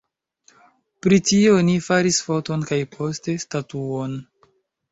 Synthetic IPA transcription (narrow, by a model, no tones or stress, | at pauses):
pɾitio̞nifaɾisfo̞to̞nkajpʰo̞ste̞statuon